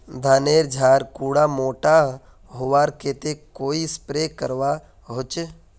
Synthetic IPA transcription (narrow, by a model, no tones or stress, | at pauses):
d̪ʱaːneːɾd͡ʒʱaːɾkuːɽamoːʈa | ɦʊʋaːɾkeːt̪ekoːispɾeːkəɾʋa | ɦot͡ʃe